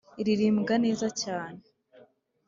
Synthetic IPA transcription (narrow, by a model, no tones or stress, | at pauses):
iɾiɾiːmɡane̞ːzacaːne